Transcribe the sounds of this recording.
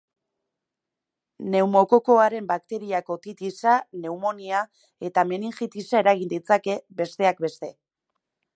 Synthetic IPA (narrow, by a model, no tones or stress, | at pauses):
ne̞wmo̞ko̞ko̞aɾe̞mbakt̪e̞ɾiako̞t̪it̪isane̞umo̞nia | e̞t̪ameniŋxit̪isaeɾaɣ̞ind̪it͡sake̞be̞st̪e̞ak̚be̞st̪e̞